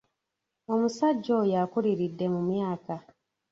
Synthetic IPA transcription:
o̞musaɟːojakuliɾidːe̞mumjaːka

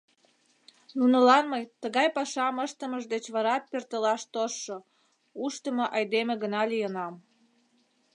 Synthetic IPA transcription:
nunəlɑnməjt̪əɣɑjpɑʃɑməʃt̪əməʒd̪et͡ɕβɑɾɑt̪̚pert̪əlɑʃt̪oʃːo | uʃt̪əmoʔɑjd̪emĕɣənɑlijənɑm

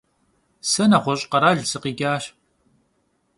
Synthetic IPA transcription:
sɐnaχʷɔɕʼqɐɾaːɮsɨqiːɡʲaːɕ

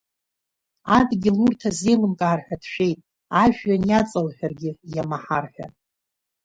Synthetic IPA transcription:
adɡʲɪlurtʰaze̞jlɨmkʼaːrħʷᶣadʃᶣe̞jtʼ | aʒᶣɥːanjat͡sʼalħʲʷᶣarɡʲɪjamaħarħʷᶣa̰

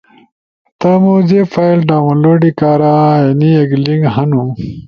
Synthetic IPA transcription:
t̪amuzefajlɖaːwɐ̃loːɖikaːɾajɐniɐɡliŋɡɦɐnu

